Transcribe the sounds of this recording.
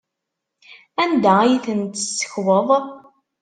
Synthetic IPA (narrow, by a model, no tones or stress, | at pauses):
ænd̪æajθənt̪əsːə̥çwəðˤ